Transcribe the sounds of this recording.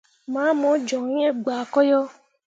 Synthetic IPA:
mãː˨˦mɔ̃˨˦d͡ʒɔ˨ŋĩ˦e˦ɡ͡ba˨kɔ˦jɔ˦

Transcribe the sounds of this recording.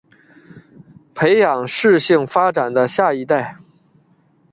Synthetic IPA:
pʰe˧˥ɪjɑ˨˩ŋʂɻ̩˥˧ɕi˥˩ŋfa˥ʈ͡ʂa˨˩nd̪ə˦ɕja˥˩i˧˥t̪a˥˩ɪ

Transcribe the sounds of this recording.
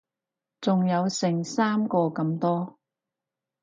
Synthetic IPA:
t͡sʊ˨ŋjɐ˨˧wsɪ˨˩ŋsaː˥mkɔː˧kɐ˧mt̪ɔː˥

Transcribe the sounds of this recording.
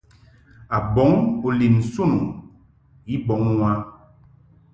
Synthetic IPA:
a˨bɔ˨˦ŋo˨li˨m˨su˦˨nu˨ | i˦bɔ˨˦ŋ˦wa˦

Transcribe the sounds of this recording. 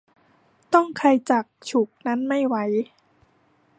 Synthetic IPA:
t̪ɔ˥˩ŋkʰa˧jt͡ɕa˨˩k̚t͡ɕʰu˨˩k̚na˦˥nma˥˩jwa˦˥j

